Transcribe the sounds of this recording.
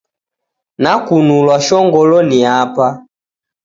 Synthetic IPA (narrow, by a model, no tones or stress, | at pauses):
nakunulwaʃɔŋɡɔlɔniapa